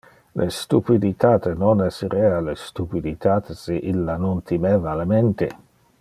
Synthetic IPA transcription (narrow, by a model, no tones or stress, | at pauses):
lʔest̪upid̪it̪ʰaːt̪enoneseɾeːalest̪upid̪it̪ʰaːt̪eseʔilːanont̪ʰimeːvalement̪e